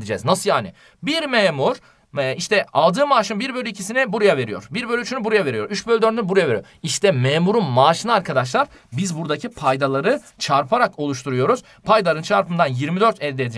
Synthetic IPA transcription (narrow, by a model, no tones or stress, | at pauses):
d̪id͡ʒɛ̰ːznasɯjaːnɪ | biɾmeːmuɾ̥ | iʃt̪ʰɛalˠd̪ɯːmaːʃɯnbiɾbøjlʲyicʰisinibuɾujave̞ɾijo̞̰ɾbiɾbølʲyt͡ʃʰynybuɾujave̞ɾijoɾyt͡ʃbølʲd̪øɾd̪buɾujave̞ɾijo̰ | iʃt̪ʰɛmeːmuɾunmaːʃɯnɯaɾkʰad̪aʃ̬lˠaɾ | bizbuɾd̪acʰipʰajd̪alˠaɾɯ | t͡ʃʰaɾpʰaɾako̞lˠuʃ̬t̪ʰuɾujo̞ɾuz̥ | pʰajd̪alˠɾɯnt͡ʃʰaɾpɯnd̪anjiɾmid̪øɾt̪ʰɛld̪ɛd̪id͡ʒ